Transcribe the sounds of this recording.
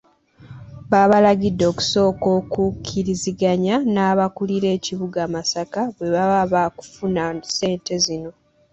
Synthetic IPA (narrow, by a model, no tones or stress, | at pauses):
βaːβalaɟidːo̞ːku̥so̞ːko̞ːkukʰiɾiziɡaɲanaːβakuliɾe̞ːciβuɡaːmasakaβwe̞βaβaβaku̥funase̞ːnte̞zino̞